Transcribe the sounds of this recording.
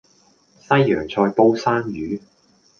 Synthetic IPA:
sɐ˥jːœ̰ː˨˩ŋt͡sʰɔː˧jpo˥wsaː˥njyː˨˥

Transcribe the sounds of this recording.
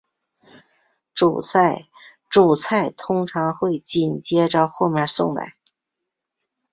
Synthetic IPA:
ʈ͡ʂṵ˨˩t͡sʰa˥˩ɪ | ʈ͡ʂu˨˩t͡sʰa˥˩ɪt̪ʰʊ˥ŋʈ͡ʂʰɑ˧˥ŋxwe˥˧ɪt͡ɕi˨˩nt͡ɕjɛ˥ʈ͡ʂxo˥˧mjə˥˧˩sʊ̰˥˧ŋla̰˧˩˦ɪ

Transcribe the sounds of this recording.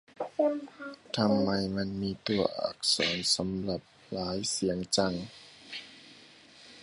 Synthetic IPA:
t̪ʰa˧˥mːa˧˩jma˧˥˨nmiː˧˥˨t̪u˧ɐʔa̰˨˩k̚sɔ̰ː˩˦nsa˨˦mla˨˩p̚ | laː˨˦jsi˩˦əŋt͡ɕa˧˩ŋ

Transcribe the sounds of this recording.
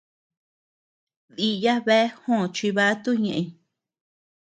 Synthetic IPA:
ði˧ja˦βe˦hõ˦˨t͡ʃi˧βa˦t̪u˦ɲẽ˨ʔẽ˧i˧

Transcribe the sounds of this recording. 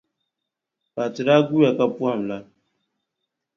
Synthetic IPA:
pa˨tɪ˨ɾa˦ɡu˦ja˨ka˦pu˦a˦˨m̩˨la˦

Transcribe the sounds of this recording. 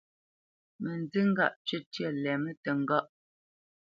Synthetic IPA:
mə˨n˨di˦ŋ̩˦ɡa̰˦˨ʔt͡ʃə˦tjə˦˨lɛ˨mə˦tə˨ŋ̩˨ɡɔ˦ʔ

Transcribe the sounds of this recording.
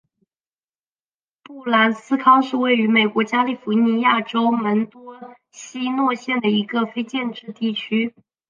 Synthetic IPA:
pu˥˩la˧˥nsɹ̩˥kʰɑ˥ŋʂɻ̩˥˧we˥˩ɪy˧˥me˨˩ɪkwɔ˧˥t͡ɕja˥li˥˩fu˧˥ni˧˥ja˥˩ʈ͡ʂo˥ʊmə˧˥nt̪wɔ˥ | ɕi˥nwɔ˥˧ɕjɛ˥˩nd̪ə˩i˧˥ɡə˧fe˥ɪt͡ɕjɛ˥˧nʈ͡ʂɻ̩˥˧t̪i˥˩t͡ɕʰy˥

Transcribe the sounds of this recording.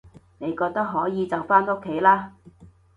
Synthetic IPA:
ne˨˧jkɔː˧k̚t̪ɐ˥k̚ɦɔː˨˥jiː˨˧t͡sɐ˨wfaː˥no˥kʰːe˨˥jlaː˥

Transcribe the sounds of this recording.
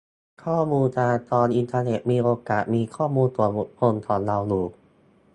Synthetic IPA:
kʰɔː˥˩muː˧nt̪ʰaː˧t̪ɔː˧nʔi˧nt̪ʰaː˧ne˨˩t̪̚miː˧ʔoː˧kaː˨˩t̪̚miː˧kʰɔː˥˩muː˧nt̪u˨˩ɐo˨˩t̪̚pʰo˧nt̪ʰɔː˩˦nla˧wluː˨˩˦k̚

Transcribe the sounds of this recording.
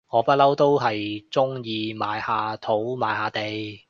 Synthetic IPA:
ŋɔː˨˧pɐ˥t̚lɐ˥wt̪o˥wɦɐ˨jt͡sʊ˥ŋjiː˧maː˨˧jhaː˧t̪ʰo˨˥wma̰ː˨˧jhaː˨˧t̪e˨j

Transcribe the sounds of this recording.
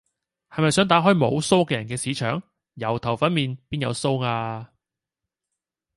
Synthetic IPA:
hɐ˨jmɐ˨jsœː˨˥ŋt̪aː˨˥ɦɔː˥jmo̰˨˧wso˥wkɛː˧jɐ˨˩nkɛː˧siː˨˧˥t͡ʃʰœː˨ŋ | jɐ˨˩wt̪ʰɐ˨˩wfɐ˨˥nmiː˨˧npiː˥njɐ̰˨˧wso˥wŋaː˧

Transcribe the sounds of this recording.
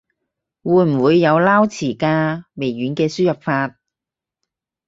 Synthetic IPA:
wuː˨˧˥jm̩˨˩wuː˨˧jːɐ˨˧wlaː˥wt͡sʰiː˨˩kaː˧me˨˩jɥyː˨˥nkɛː˧syː˥jɐ˨p̚faː˧t̚

